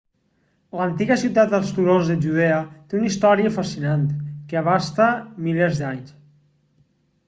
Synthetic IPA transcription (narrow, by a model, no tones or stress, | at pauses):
lənt̪iɣəsiwt̪at̪̚əlˠst̪uɾozðəʒuð̞eət̪eunist̪ɔɾiəfasinant̪kəəβ̞ast̪əmilezd̪aɲs